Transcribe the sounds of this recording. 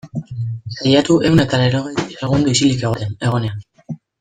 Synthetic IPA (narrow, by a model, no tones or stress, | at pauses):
sajat̪uʔe̞wnet̪aleɾoɣejereɣ̞und̪uisilikeɣoɾene̞ɣ̞onea